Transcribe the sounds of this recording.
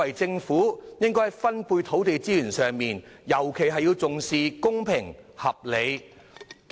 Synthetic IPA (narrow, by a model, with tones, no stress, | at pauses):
ɐ˨jt͡sɪ˧ŋfuː˨˥jɪ˥ŋkɔː˥hɐ˨jfɐ˥npuː˧jt̪ʰo˨˥wt̪e˨˧jt͡siː˥jyː˨˩nsœː˨ŋmiː˨njɐ˨˩wkʰe˨˩jɦɐ˨jːiː˧wt͡sʊ˨ŋsiː˨˧kʊ˥ŋpʰɪ˨˩ŋhɐ˨p̚le˨˧j